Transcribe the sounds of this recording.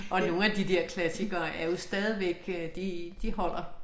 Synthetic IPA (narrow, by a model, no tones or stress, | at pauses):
ʔɒ̽no̝ːn̩æd̥id̥eɐ̰kʰlæsiɡ̥ɐːʔæɐjo̝sd̥ɛːð̞ˠiʋeɡ̥ød̥id̥ihɒ̽l̰ɐ